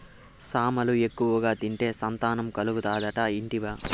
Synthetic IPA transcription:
saːmɐlue̞kːuʋɐɡaːt̪iɳʈe̞ːsɐnt̪aːnɐmkɐluɡut̪aːd̪ɐʈɐiɳʈiʋaː

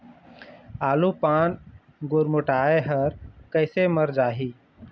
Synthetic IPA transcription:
aːlupan | ɡoɾmoʈaeɦəɾkəɪseməɾd͡ʒaːɦi

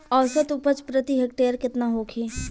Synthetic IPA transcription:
ɔːlsət̪ʊpət͡ʃpɾət̪iɦek̚ʈeːɾkɪt̪naɦoːkʰeː

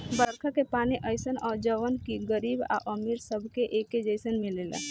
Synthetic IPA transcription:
bəɾəɾkʰakepaːniʔəɪsənɔːɾd͡ʒəʋənkiɡəɾiːba̰ʔəmiɾsəbʱkeʔeːked͡ʒəɪsənmelela̰

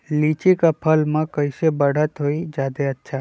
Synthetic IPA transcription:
liːt͡ʃikapʰəlmãkɐɪsebəɽ̤ət̪ɦoːid͡ʒaːd̪eɐtːʃʰa

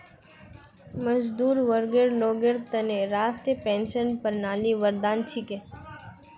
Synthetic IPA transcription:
məd͡ʒd̪uːɾʋəɾɡeɾloːɡeɾt̪ɐneɾaːsʈepẽːnʃənpəɾnaːliʋəɾd̪aːnt͡ʃʰike

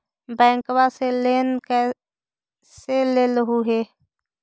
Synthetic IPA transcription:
bɛ̃ːŋkwaseleːnkɛ | seleːlɦuɦeː

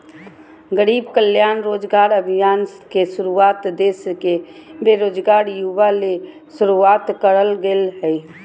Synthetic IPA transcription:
ɡəɾiːbkəljaːnɾoːd͡ʒɡaːɾəbʱɪjaːnkesʊɾuaːt̪d̪eːskebeɾoːd͡ʒɡaːɾjuʋale | sʊɾuaːt̪kəɾəlɡelɦɛi

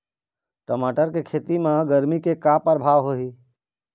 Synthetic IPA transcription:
ʈəmaːʈəɾkekʰeːt̪imãɡəɾmikekapəɾbʱaːʋɦoɦiː

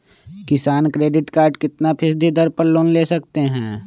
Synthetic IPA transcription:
kɪsaːnkɾeːɖɪʈkaːɾɖkɪt̪napʰɪsd̪ʱid̪əɾpəɾloːnleːsɐkt̪eɦɛ̃ː

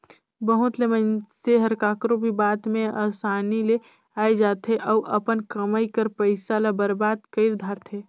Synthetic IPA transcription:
bəɦʊt̪lemənseɦəɾkaːkɾobʱibaːt̪mẽa̰ːsaːnile | aːed͡ʒaːt̪ɦeʔɔːʔəpənkəməikəɾpəɪsalabəɾbaːd̪kəɪɾd̪ʱaːɾt̪ʰeː

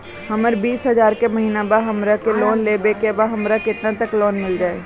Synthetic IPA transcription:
həməɾbiːsɦəzaːɾkeməɦiːnabaɦəmɾakelɔːnlebekebaɦɐmɾakɪt̪nãt̪əklɔːnmɪld͡ʒaːe

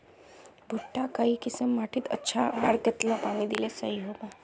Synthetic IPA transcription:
bʱʊʈːakəikɪsəmːaːʈʰit̪ə̰tːʃʰaaːɾɡət̪lapaːnid̪ilesɐɦiɦoːbaː

